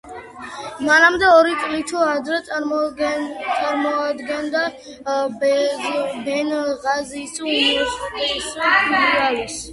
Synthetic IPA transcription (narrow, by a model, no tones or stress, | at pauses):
manamd̪ɛɔɾit̪sʼlit̪ʰuad̪ɾɛ | t̪sʼaɾmɔad̪ɡɛnd̪a | bɛnʁazisumisiɾaɾis